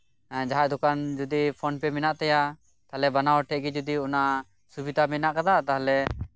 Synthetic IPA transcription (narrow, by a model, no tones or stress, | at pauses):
d͡ʒaɦaʔd̪ukand͡ʒud̪ipʰɔnpɛmɛnaʔt̪ɛja | t̪aɦlɛbanawʈʰɛʔɡɛd͡ʒud̪iɔna | subid̪ʱamɛnaʔkad̪at̪aɦlɛ